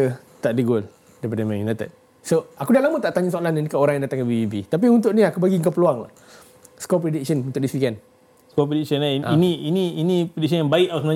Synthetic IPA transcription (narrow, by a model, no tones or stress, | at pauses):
ə | t̪aʔdəɡol | daipadəmãjunat̪ə̰t̪̚ | soakudalamət̪aʔt̪aɲusoalanənikaoɾãŋjaŋndat̪aŋkanbibibit̪ap̬iunt̪ʊʔniakubaɡiŋkapəluaŋ̰ | skɔpɾedik̚sənunt̪ʊʔdisikɛn | skɔpɾedik̚sənaʔinĩiniinĩpɾedik̚sənjaŋbaiʔasəma